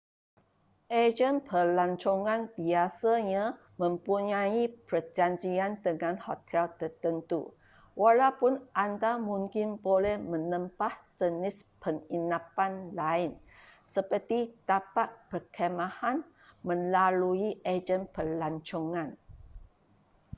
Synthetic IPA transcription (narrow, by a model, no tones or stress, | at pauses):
ʔed͡ʒənpʰərlaɲt͡ʃoŋãnbiasaɲã | mə̃mpuɲãipərd͡ʒaɲd͡ʒiandəŋãnhot̪ʰɛlt̪ərt̪ənt̪ṵ | walawpʊnʔandamũŋkɪnbolɛhmə̃nəmpahd͡ʒənɪspəŋinapanlaɪn | səpərt̪it̪apaʔ̚pərkʰemãhan | mə̃nlaluiʔed͡ʒənpərlaɲt͡ʃoŋãn